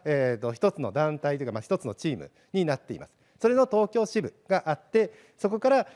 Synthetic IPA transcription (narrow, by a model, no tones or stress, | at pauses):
et̪ːo̞çi̥t̪o̞t͡sɨno̞̰d̪ãnt̪ait̪eikamaçi̥t̪o̞t͡sɨno̞t͡ɕiːmɯ̟̰ | ɲ̟inat̪ːe̞ḭma̰sɨ̥ | so̞ɾe̞no̞t̪o̞ːkʲo̞ːɕibɯ̟ɡ̥aʔat̪ːe̞ | so̞ko̞kaɾa